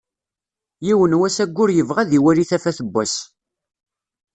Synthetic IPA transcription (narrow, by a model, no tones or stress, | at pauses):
jiwənwæsæɡʷːʊɾjəvʁæðiwæliθæfæθəbːæs